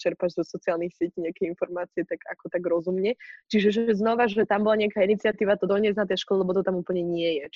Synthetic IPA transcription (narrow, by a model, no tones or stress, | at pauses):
t͡ʃɛɾpaʒzɔsɔt͡siaːlnixsɪɛciɲɛakɛinfɔɾmaːt͡siɛt̪aɡakɔt̪aɡɾɔzumɲɛt͡ʃiʒɛʒɛɛznɔʋaʒɛt̪ambɔlaɲɛakaːinit͡sɪat̪iːʋat̪ɔd̪ɔɲɪɛznat̪ɛjʃkɔlɛlɛbɔt̪ɔt̪amuːpl̩ɲɛɲɪɛjɛt͡ʃ